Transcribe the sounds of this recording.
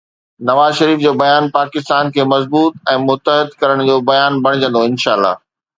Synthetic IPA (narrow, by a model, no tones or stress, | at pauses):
nɐʋaːzʃɐɾiːfd͡ʑoːbɐjaːnpaːkɪst̪aːnkʰeːmɐzbuːt̪̚ɛ̃ːmʊt̪əɦɪd̪kɐɾəɽ̃d͡ʑoːbɐjaːnbʱɐɽ̃ɪd͡ʑə̃nd̪oɪnʃaːlːa̰ː